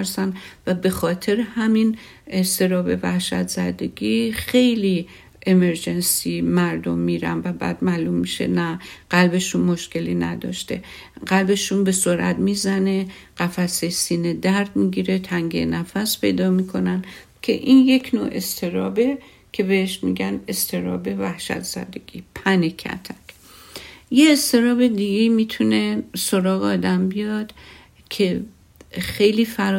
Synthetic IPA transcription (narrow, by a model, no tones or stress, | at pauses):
ɾsænvæbe̞xɒːt̪ʰe̞ɾehæmin | est̪e̞ɾɒːbe̞væhʃæ̰t̪z̥æ̰d̪e̞ɡixe̞jli | ʔeme̞ɾd͡ʒe̞nsimæɾd̪o̞mːiːɾæ̰nvæbæ̰ːd̪̥mæːlumːiʃḛnæɡ̥ælbe̞ʃunmo̞ʃke̞linæ̰d̪ɒ̰ːʃt̪e̞̰ | ɢælbe̞ʃunbe̞soɾʔæ̰t̪miːzæne̞ɢ̥æfæsesiːne̞d̪æɾd̪miɡiːɾe̞t̪ʰæŋɡḛnæfæspʰe̞̰jd̪ɒːmiːkʰo̞næn | kʰe̞̰ʔinje̞kʰno̰e̞st̪ʰe̞ɾɒ̰ːbe̞ | kʰe̞beeʃmḭɟæne̞st̪ʰe̞ɾɒ̰ːbe̞væhʃæ̰t̪ʰz̥æ̰d̪eɡ̥ʲiːpʰænekʰæ̰t̪ʰækʰ | jeːst̪ʰe̞ɾɒːbe̞d̪iɡeimiːt̪ʰune̞so̞ɾɒːɣeɒːd̪æmbijɒd̪̥ | cʰe̞ | xejliːfæɾ